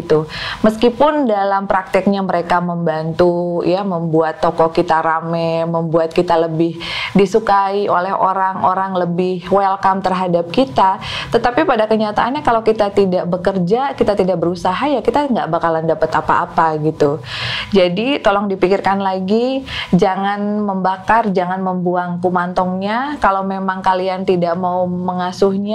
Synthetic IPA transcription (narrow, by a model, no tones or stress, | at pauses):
t̪uməskipʊndalampɾak̚t̪ɪk̚ɲaməɾekaməmbant̪ujaməmbuat̪ːɔkɔkit̪aɾamɛməmbuat̪̚kit̪aləbɪhdisukaiʔolɛɦo̰ɾaŋoɾaŋləbɪhwɛlkamt̪ərɦadap̚kit̪at̪ət̪apipadakəɲat̪a̰ʔːnɲakalawkit̪at̪idaʔbəkərd͡ʒakit̪at̪idaʔ̚bəɾusaɦajakit̪aŋɡaʔbakalandapət̪apa̰ʔːpaɡit̪ud͡ʒadit̪olɔŋdipikɪrkanlaɡid͡ʒaŋanməmbakard͡ʒaŋanməmbuaŋpumant̪ɔŋɲakalowmemaŋkaliant̪idaʔmauməŋasʊhɲa